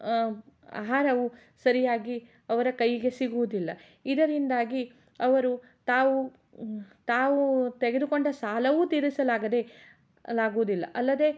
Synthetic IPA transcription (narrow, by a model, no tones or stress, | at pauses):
a̰ːɦaːɾɐʋu | sɐɾijaːɡi | ɐʋɐɾɐkɐjiɡe̞siɡuʋud̪ilːɐ | id̪ɐɾind̪aːɡi | ɐʋɐɾu | t̪aːʋu | t̪aːʋut̪eɡed̪uko̞ɳɖɐsaːlɐʋut̪iɾisɐlaːɡɐd̪e̞ | laːɡuʋud̪ilːɐ̰ʔɐlːɐd̪e̞